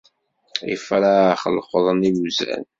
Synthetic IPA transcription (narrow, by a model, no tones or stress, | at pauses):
ḭfəɾaχəlχəðˤənijuzæ̰n